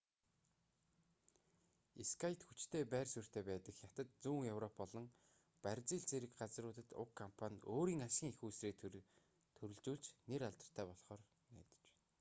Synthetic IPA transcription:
iskʰajt̪xut͡ɕt̪ʰeːpæːrsur̥t̪ʰeːpæːt̪ə̆kjat̪ə̆t̪̚t͡suːŋjɵwrɔpːɔɮɞ̆ŋ | pærʲt͡siːɮt͡seɾɘ̆kɢat͡srʊːt̪ə̆t̪ʊ̰kʰːɔmpʰanʲoːɾiːŋasɡʲiːŋexuːsreː | t̪ʰɵɾɵ̆ɮt͡ɕuːɮt͡ɕneɾaɮt̪ə̆r̥t̪ʰæːpɔɮχɔːr | næ̰ːt̪ə̥̆t͡ɕ

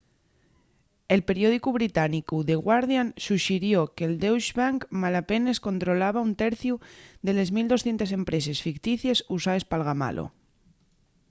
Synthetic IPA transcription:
e̞lpe̞ɾjo̞ð̞ikuβɾit̪anikuðe̞ɣwaɾðjansuʃiɾjokeld̪ewʃβaŋkmalape̞ne̞sko̞nt̪ɾo̞laβaunt̪eɾθjuðe̞le̞zmild̪osθje̞nt̪ese̞mpɾe̞s̬e̞sfikt̪iθje̞susaespalɣama̰lʔo̰

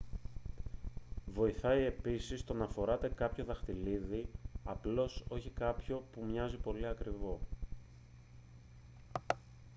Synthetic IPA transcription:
vo̞iθɐie̞pisist̪o̞nɐfo̞ɾɐt̪e̞kɐpço̞ðɐxt̪iliðiɐplo̞so̞çikɐpço̞pumɲɐzipo̞liɐkɾivo̞

